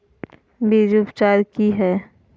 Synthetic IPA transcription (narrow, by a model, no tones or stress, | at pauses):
beːd͡ʒupt͡ʃaːɾkiɦɛː